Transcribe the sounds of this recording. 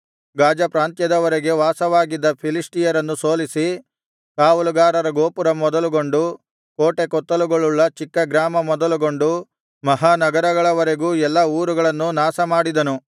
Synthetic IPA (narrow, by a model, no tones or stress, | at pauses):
ɡaːd͡ʒɐpɾaːnt̪jɐd̪ɐʋɐɾeɡe̞ʋaːsɐʋaːɡid̪ːɐpʰilisʈijɐɾɐnːuso̞ːlisi | kaːʋuluɡaːɾɐɾɐɡoːpuɾɐmɔd̪ɐluɡo̞ɳɖu | ko̞ːʈe̞kɔt̪ːɐluɡoɭːuɭːɐt͡ʃikːɐɡɾaːmɐmɔd̪ɐluɡo̞ɳɖu | mɐɦaːnɐɡɐɾɐɡɐɭɐʋɐɾe̞ɡuːɛlːɐuːɾuɡɐɭɐnːunaːsɐmaːɽid̪ɐnu